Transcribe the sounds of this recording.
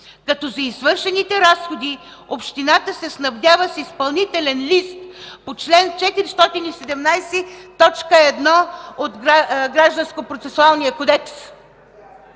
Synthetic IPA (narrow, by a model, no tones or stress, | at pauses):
kɐt̪ɔzɐizvɤɾʃɛnit̪ɛɾasxod̪i | opʃt̪inat̪əsɛsnɐvd̪ʲavəsispɐlˠnit̪ɛlɛnlist̪pot͡ʃlɛnt͡ʃɛt̪iɾist̪ɔt̪inisɛd̪ɛmnajsɛt̪ɔt͡ʃkəɛd̪nɔot̪ɡɾaɡɾaʒd̪ɐnskopɾot̪sɛsualˠnijəkod̪ɛks